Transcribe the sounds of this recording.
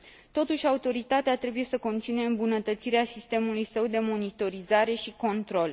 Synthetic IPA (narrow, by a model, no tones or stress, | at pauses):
t̪o̞t̪uʃʲaut̪o̞ɾit̪at̪eat̪ɾe̞buje̞səko̞nt̪sinuje̞ɨmbunət̪ət̪siɾeasist̪e̞mulujsəwd̪e̞mo̞nit̪o̞ɾizaɾe̞ʃiko̞nt̪ɾo̞l